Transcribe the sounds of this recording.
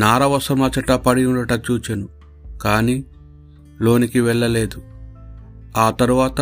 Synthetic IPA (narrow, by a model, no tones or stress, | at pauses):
naːɾɐʋɐsɐmɐt͡ʃɐʈɐpɐɽijuɖɐʈɐt͡ʃuːt͡ʃenu | kaːni | lo̞ːnikiʋɛɭːɐle̞ːd̪u | aːt̪ɐɾuʋaːt̪ɐ